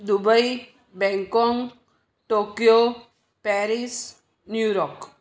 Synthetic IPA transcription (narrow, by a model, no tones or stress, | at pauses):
d̪ubəi | bɛ̃ŋkɔŋɡ | ʈokijo | pɛɾis | njuɾɔk